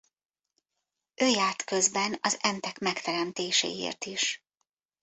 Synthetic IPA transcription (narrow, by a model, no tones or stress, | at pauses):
ʔøːjaːrt̪kø̞zbɛnɒzɛnt̪ɛkmɛkt̪ɛɾɛmt̪eːʃḛːḛːrt̪iʃ